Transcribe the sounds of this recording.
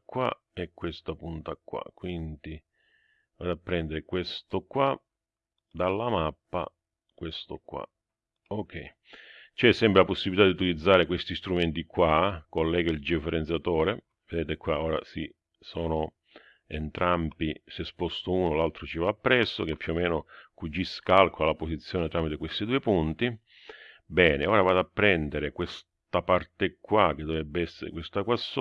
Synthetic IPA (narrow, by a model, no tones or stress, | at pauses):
kːwa̰ | ɛkːwest̪apunt̪akːwa̰kːwint̪i | vad̪apːɾɛnd̪eɾekwest̪okːwa | d̪alːamapːa̰ | kwest̪okwa̰ | ok̟ːɛ | t͡ʃɛsːɛmpɾelaposːibilit̪ad̪iut̪ilid̪zːaːɾekwest̪ist̪ɾument̪ikwakolːɛːɡaild͡ʒifeɾent̪sjat̪ɔːɾe | ved̪ɛːt̪ekwaɔːɾa̰si | sɔːno | ent̪ɾampisespɔst̪ʊuːnolalt̪ɾot͡ʃivaːpːɾɛsːok̟epːjuomɛːnokud͡ʒːiskalkoalaposit̪sːjɔːnet̪ɾaːmit̪ekwest̪id̪uːepunt̪i | bɛːneɔːɾavaːd̪apːɾɛnd̪eɾɪkwes | t̪apart̪ekːwak̟ːed̪ːovɛbːeɛsːeɾḛkwest̪akwasː